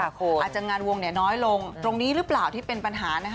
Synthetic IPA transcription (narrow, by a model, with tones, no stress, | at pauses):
kaː˨˩t̪̚t͡ɕa˨˩ŋaː˧nwo˧ŋni˥˩ɐnɔː˦˥jlo˧ŋt̪ɾo˧ŋniː˦˥ɾɯ˦˥plaː˨˩wt̪ʰiː˥˩pe˧npa˧nɦaː˩˦na˦˥kʰa˥